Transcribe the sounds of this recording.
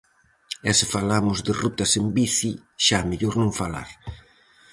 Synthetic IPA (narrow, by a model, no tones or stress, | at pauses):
ɛsɪfalamʊzd̪ɪrut̪asembiθiʃameʎoɾnõŋfala̰ɾ